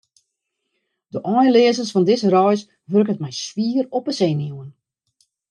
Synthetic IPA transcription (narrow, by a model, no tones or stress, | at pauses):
dəʔɔjlɪəsərsfɔndɪsrɔjs | ʋørkətmɛjswiːərɔpəseːnjuən